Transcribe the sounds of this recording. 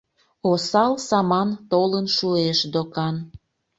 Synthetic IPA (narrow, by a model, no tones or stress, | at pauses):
osɑlsɑmɑnt̪olənʃueʃd̪okɑn